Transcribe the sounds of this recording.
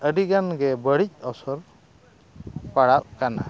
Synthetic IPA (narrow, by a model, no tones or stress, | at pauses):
əɖiɡanɡɛbəɽic̚ɔsɔɾ | paɽaʔ̚kana̰